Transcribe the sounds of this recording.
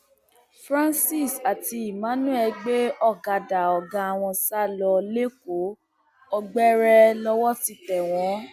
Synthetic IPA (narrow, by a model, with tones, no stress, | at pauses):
fɾã˦nsi˦˨sa˨ti˧i˨mã˨˦nũ˦ɛ˧ɡ͡be˦ɔ˦˨ɡa˨da˨ɔ˨ɡã˧a˨w̃ɔ̃˧sa˦˨lɔ˧le˦k̚o˨˦ | ɔ˧ɡ͡bɛ˦ɾɛ˧lɔ˧wɔ˦ti˧tɛ˨w̃ɔ̃˨˦